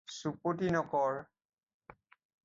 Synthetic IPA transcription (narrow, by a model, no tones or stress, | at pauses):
supot̬inɔkɔɹ